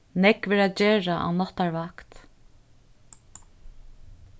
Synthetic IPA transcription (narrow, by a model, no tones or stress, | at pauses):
nɛkʋɛːɹad͡ʒeːɹaʔa̰nɔt̪ːaɹvakt̪